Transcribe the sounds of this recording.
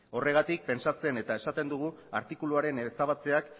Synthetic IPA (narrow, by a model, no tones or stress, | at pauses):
o̞re̞ɣ̞at̪ik̚pe̞nsat͡se̞ne̞t̪ae̞sat̪e̞nd̪uɣ̞uaɾt̪ikuluaɾe̞nesaβ̞at͡se̞ak